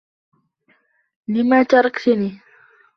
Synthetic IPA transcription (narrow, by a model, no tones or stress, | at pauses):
lɪmaːt̪ɑɾˤɑkt̪aniː